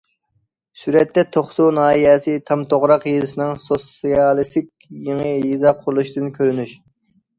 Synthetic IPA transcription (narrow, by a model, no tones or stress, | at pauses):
syɾɛt̪ːɛt̪ʰoχsunɑːiɛsɪt̪ʰɑmt̪ʰoʁɾɑqjezɪsɪnɨŋsosijɑlˠɨst̪ɪkʲjeŋəjizɑqʰʊɾlˠuʃd̪ɨnkʲʰøɾynyʃ